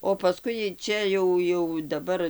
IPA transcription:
oː pɐˈskʊɪ ˈt͡ʃʲɛ jɛʊ jɛʊ dɐˈbɐr

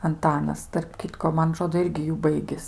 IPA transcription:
ɐnˈtɑːnɐs tɐrp ˈkʲɪtkoː ˈmɐn ɐˈtroːdoː ˈɪrʲɡʲɪ ˈjuː ˈbɐɪɡʲɪs

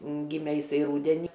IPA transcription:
ˈɡʲɪmʲɛ jɪˈsɐɪ ˈruːdʲɛnʲɪ

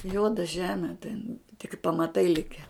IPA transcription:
ˈjuɔdɐ ˈʒʲæːmʲɛ tʲɛn tʲɪk pɐmɐˈtɐɪ ˈlʲɪkʲɛ

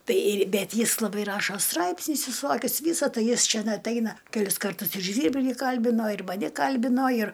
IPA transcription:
ˈtɐɪ ɪr ˈbʲɛt ˈjɪs lˠɐˈbɐɪ ˈrɑːʃoː ˈstrɐɪpʲsʲnʲʊs ʋʲɪˈsoːkʲʊs ˈʋʲiːsɐ ˈtɐɪ ˈjɪs ˈt͡ʃʲæn ɐtʲˈɛɪnɐ kʲɛˈlʲɪs kɐrˈtʊs ɪr ˈʒʲʋʲiːrʲbʲlʲɪ ˈkɐlʲbʲɪnoː ɪr mɐˈnʲɪ ˈkɐlʲbʲɪnoː ɪr

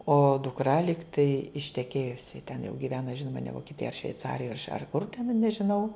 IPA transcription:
oː dʊkˈrɐ ˈlʲɪktɐɪ ɪʃʲtʲɛˈkʲeːjʊsʲɪ tʲɛn jɛʊ ɡʲɪˈʋʲæːnɐ ˈʒʲɪnoːmɐ nʲɛ ʋoːkʲiɛˈtʲɪjoːj ɐr ʃʲʋʲɛɪˈt͡sɑːrʲɪjoːj ɐr kʊr tʲɛn nʲɛʒʲɪˈnɐʊ

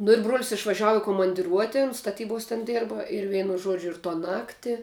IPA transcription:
nʊ ɪr bruɔlʲsʲ ɪʃʋɐˈʒʲæːʋʊ ɪ koːmɐnʲdʲɪˈruɔtʲɪn stɐˈtʲiːboːs tʲɛn ˈdʲeːrbɐ ɪr ˈʋʲɛɪnʊ ˈʒuɔd͡ʒʲʊ ɪr toː ˈnɑːktʲɪ

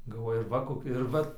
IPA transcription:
ɡɐlˠˈʋoːjʊ ɪr ˈʋɐ ˈkoːkʲɛ ɪr ˈʋɐt

